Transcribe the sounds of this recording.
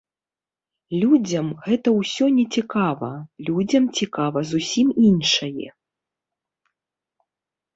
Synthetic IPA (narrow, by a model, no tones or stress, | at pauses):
lʲud͡zʲɐmɣɛt̪ɐwsʲɔnʲɛt͡sʲikavɐlʲud͡zʲɐmt͡sʲikavɐzusʲiminʂɐjɛ̰